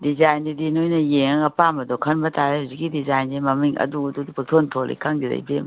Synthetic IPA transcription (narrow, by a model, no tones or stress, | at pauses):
dizajndidinojnɐjeŋŋɐpamɐdɔkʰɐnbɐtʰajahuzikidizajndimɐmiŋɐ̰duɐdudipʰatʰontʰolḭkʰaŋdilɐ̰jbem